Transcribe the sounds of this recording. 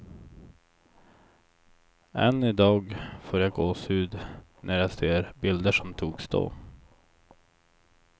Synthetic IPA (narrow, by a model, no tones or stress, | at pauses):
ɛ̰nːɪd̪ɑːɡfoːɾjaɡoːsʉːd̪nʔæɾjaseːɾbɪld̪əʂɔmt̪ʰuːksd̪o̰ː